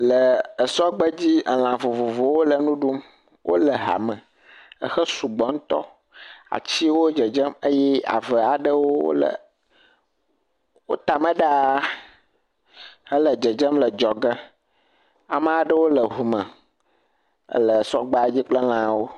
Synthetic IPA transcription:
lə˨ə˨sɔ˦ɡ͡bə˦d͡ʑi˦ə˨l̃ã˨vo˨vo˨vo˨wo˦lə˨nũ˦ɖu˦m | wʔo̰˦lə˨ɦa̰˨mə̃˨ | ə˨xə˦su˨ɡ͡bɔ˨˦ŋ̩˦t̪ɔ̰˦ | a̰˨t͡ɕi˦wo˦d͡ʒə˨d͡ʒə˦mə˦jɛ˦a̰˨və˨a˨ɖə˦wo˦wo̰˦lə̰˨ | wo̰˦t̪a˨mə̃˦ɖa˦ | hə˦lə˨d͡ʒə˨d͡ʒə˦mlə˨d͡ʒɔ˨ɡə˦ | a˨mə̃˦a˨ɖə˦wo˦lə˨ɦu˨mə̃˨ | ə̰˦lə˨ə˨sɔ̰˦ɡ͡ba˦a˨˦d͡ʑi˦k͡plə˦lã˨wo˦

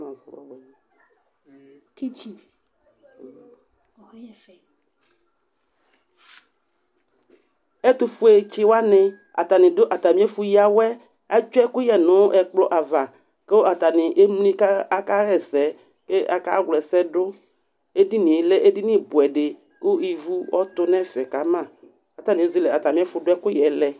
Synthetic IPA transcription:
ki˦t͡ʃi˨ | e˦t̪u˦fu˦e˨t͡ʃi˦wa˦nẽ˨ | a̰˨t̪a˨nĩ˨dʊ˦ʔa˨t̪a˨mĩ˦e˦fu˦ji˦a˨wɛ˦ | a˦d͡ʒʊ˦ɛ˦kʊ˦jɛ˨nʊ̃˨˦ʔɛ˨k͡plɔ˦ʔa˨va˨ | ke˦o˦a˨t̪a˨nɪ̃˨ʔe˦m˦lĩ˦ka˦a˦ka˦ɣɛ˦˨sɛ˨˦ | ke˦ʔa̰˨ka˦ɡlɛ˨sɛ˦ɖʊ˦ | e˦di˦nĩ˨e˨˦lɛ˦ʔe˦di˦nĩ˦bʊ˨ɛ˨ɖe˨ | kʊ˦i˨vu˦wɔ˦t̪ʊ˦nɛ̃˦fɛ˨ka˨˦mã˦˨ | a˨t̪a˨nĩ˨e˦zi˦lɛ˨a˨t̪a˨mĩ˨˦ɛ˦fʊ˨dʊ˦ɛ˦kʊ˦jɛ˨lɛ˨

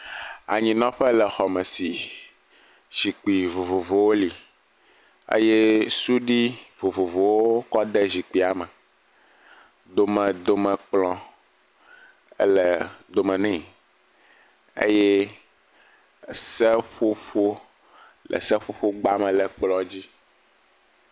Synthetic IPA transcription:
a̰˨ɲĩ˨nɔ̃˦ɸɛ˦lɛ˨xɔ˨mɛ̃˨si˨ | z̥i˨k͡pi˨vo˨vo˨vo˨wo˦li˨ | ḛ˦je˦su˦ɖi˦vo˨vo˨vo˨wo˦o˦kɔ˦d̪ɛ˦zi˨k͡pi˨a˨mɛ˨ | d̪o˨mɛ̃˨d̪o˨mɛ̃˨k͡plɔ̃˨ | ḛ˦lɛ˨d̪o˨mɛ̃˨nɛ̃˦˨ | ḛ˦jɛ˦ | sɛ˦ɸo˦ɸo˦ | lɛ̰˨sɛ˦ɸo˦ɸo˦ɡ͡ba˦mɛ̃˨lɛ˨k͡plɔ̃˦d͡ʑi˦

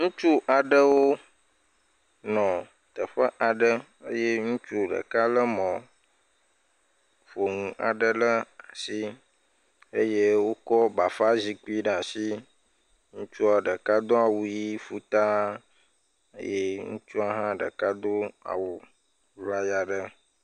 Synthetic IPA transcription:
ŋũ˦t͡ʃu˦ʔa˨ɖə˦wo˦ | nɔ̃˨ | t̪ə˨ɸə˦ʔa˨ɖə˦ | ə˦je˦ŋũ˦t͡ʃu˦ɖə̰˨ka˦lə˦mɔ̃˨ | fo˨ŋũ˨ʔa̰˨ɖə˦lə˦a˨si˦ | ə˦je˦wo˦kɔ˦ba˨fa˦zi˨k͡pi˦ɖa˨si˦ | ŋũ˦t͡ʃu˦a˨ɖə˨ka˦d̪o˦a˨wu˨ji˦fu˦t̪a˦ | ə̰˦je˦ŋṵ̃˦t͡ʃu˦a˦ɦã˦ɖə̰˨ka˦d̪o˦a̰˨wu˨˦ | la˦ja˨ɖə˦

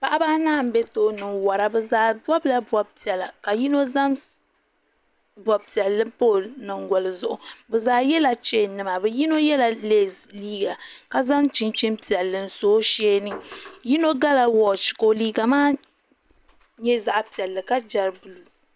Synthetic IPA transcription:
pa˦˨ʔa˦baː˦naː˦˨m̩˦bɛ˦toː˨˦nɨ˨ŋwa˨ɾa˨bɛ˨zaː˨˦bɔ˦bla˦bɔ˦b̚pi˨ɛ˨la˨ka˨ji˦no˦za˦n | bɔ˨b̚pi˨ɛ˨lːɨ˦poː˦˨nɨ˨ŋɡɔ˨lɨ˨zʊ˦ʔʊ˨bɛ˨zaː˨˦jɛ˦la˨t͡ʃe˦˨nɨ˨ma˨bɛ˨ji˦no˦jɛ˦la˨leː˦˨liː˦ɡa˨ka˨za˦nt͡ʃi˦nt͡ʃi˦npi˨ɛ˨lːɨ˨˦n̩˨soː˦ʃeː˦nɨ˦ji˦no˦ɡa˦la˨wɔ˨t͡ʃko˨liː˦ɡa˨maː˦ | ɲɛ˦za˨ʔa˨pi˨ɛ˨lːɨ˨ka˦d͡ʒa˨ɾbu˨lu˨

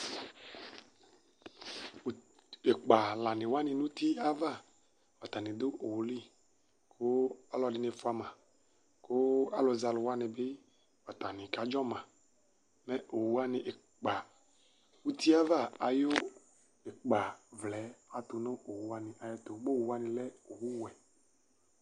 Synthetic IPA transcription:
e˨k͡pa˨la˨nɪ̃˨wa˦nɪ̃˨nũ˦t̪i˦a˦va˦˨ | wa˨t̪a˨nɪ̃˨d̪o˦ʔo˨wu˨li˦˨ | kʰo˦a˦lɔ˨dɪ˨˦ne˨fu˦a˦mã˨ | ko˦a˦lo˨za˨lʊ˨wa˦nɪ̃˨be˦ | wa˨t̪a˨nɪ̃˨ka˨˦d͡ʒɔ˦mã˨ | mɛ˦o˨wu˦a˦nɪ̃˨ʔe˨ | k͡pa˨ | u˦t̪ʰi˦a˦va˦˨a˨jo˦ | e˨k͡pa˨vlɛ˨˦a˨t̪o˨nõ˦o˨wu˨˦a˦nɪ̃˨ʔa˨je˦t̪o˨ɡ͡bo˦˨wu˨wa˦nĩ˨lɛ˦o˨wu˦wɛ˨

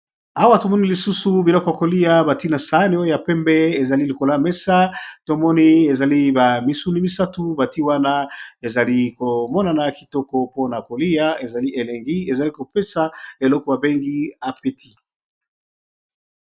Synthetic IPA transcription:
a˦wa˦to˨mɔ˦ni˦li˨su˦su˨bi˨lɔ˦kɔ˨ja˨ko˨li˦ja˦ba˨ti˦na˨sa˨˦ni˦o˦o˦ja˨pɛ˦mbɛ˦e˨za˨li˦li˨ko˨la˦mɛ˦sa˦to˦mɔ˦ni˦e˨za˨li˦ba˨mi˦su˦ni˦mi˦sa˦tu˦ba˨ti˦wa˦na˦e˨za˨li˦ko˨mɔ˦na˨na˨ki˨tɔ˦kɔ˦po˦na˨ko˨li˦a˦e˨za˨li˦ʔe˨le˨ŋɡi˦e˨za˨li˦ko˨pe˦sa˨e˨lɔ˦kɔ˨ba˨be˦ŋɡi˦a˨pe˦tʰi˦

